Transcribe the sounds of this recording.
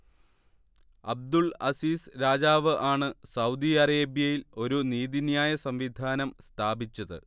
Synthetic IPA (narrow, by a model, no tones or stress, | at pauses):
ɐ̰b̚d̪uɭɐ̰siːsɾaːd͡ʑaːʋɨʔaːɳɨsɐwd̪iɐɾeːbjɐjilo̞ɾuniːðinjaːjɐsɐmʋid̪ʱaːnɐmst̪ʰaːbit͡ɕːɐðɨ̰